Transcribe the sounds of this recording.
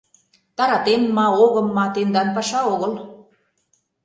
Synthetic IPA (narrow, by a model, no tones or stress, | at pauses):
t̪ɑɾɑt̪enːɑoɣɤ̆mːɑt̪end̪ɑnpɑʃɑoɣɤ̆l